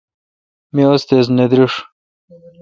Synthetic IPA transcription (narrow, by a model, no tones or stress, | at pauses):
miost̪ez̬ned̪ɾiʂ